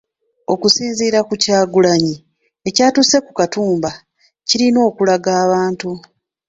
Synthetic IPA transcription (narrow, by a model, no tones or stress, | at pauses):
o̞kusiːnziːɾakucaːɡulaɲi | e̞caːtuse̞kukatuːmba | ciɾino̞ːkulaɡaːβaːntu